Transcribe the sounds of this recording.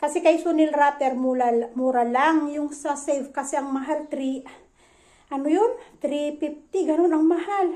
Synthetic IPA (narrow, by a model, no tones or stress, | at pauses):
kɐsɛkɐjsonɪlɾat̪ɛɾmulamuɾɐlaŋjʊŋsɐsɛlvkɐsɛʔɐŋmɐɦalt̪ɾi | ʔɐnojont̪ɾipif̚t̪ɪɡɐno̞nɐŋmɐhal